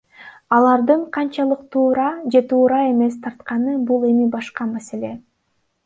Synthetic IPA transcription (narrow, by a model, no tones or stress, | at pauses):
ɑlˠɑɾd̪ɯɴqʰɑnt͡ʃɑlˠɯqt̪ʰuːɾɑd͡ʒe̞t̪ʰuːɾɑe̞me̞st̪ʰɑɾt̪qɑnɯbulˠe̞mibɑʃqɑmase̞le̞